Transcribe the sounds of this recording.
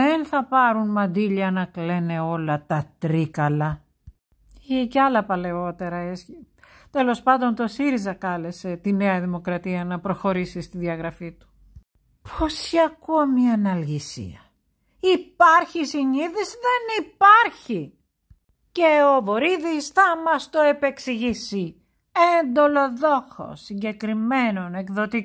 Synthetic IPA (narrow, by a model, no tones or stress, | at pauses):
enθɐpɐɾunmɐnd̪iʎɐnɐkle̞ne̞o̞lɐt̪ɐt̪ɾikɐlɐ | ceɐlɐpɐle̞o̞t̪e̞ɾɐesçit̪e̞lo̞spɐnd̪o̞nt̪o̞siɾizɐkɐle̞se̞t̪ine̞ɐðimo̞kɾɐt̪iɐnɐpɾo̞xo̞ɾisist̪iðiɐɣɾɐfit̪u̥ | pʰo̞sçiɐkomiɐnɐlʝisḭɐ | ipɐɾçisiɲiðisðe̞nipɐɾçi | ce̞ovo̞ɾiðisθɐmɐst̪oepe̞ksiʝisi | end̪o̞lo̞ðo̞xo̞̰siɲɟe̞kɾime̞no̞ne̞kðo̞t̪i